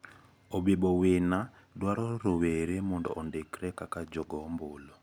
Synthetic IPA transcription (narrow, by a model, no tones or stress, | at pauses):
obebɔwena | dwaɾɔɾoweɾemɔndɔ̰ʔːndekɾɛkakad͡ʒɔɡɔmbolo